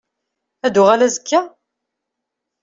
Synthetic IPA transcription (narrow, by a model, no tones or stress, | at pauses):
æd̪ʊʁalæzəkːæ